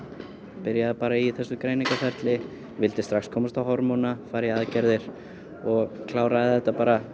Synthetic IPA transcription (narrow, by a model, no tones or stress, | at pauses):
pɪɾjaðɪpaːɾaiθɛsːʏkɾeːjniŋkafɛɾt̪lɪ | vɪlt̪ɪst̪ɾaxskʰɔːmast̪awɦɔɾmɔnafaːjɾjaaðcɛɾðɪɾ̥ | ɔɣkʰlaːwɾaðθɛt̪ːapaːɾa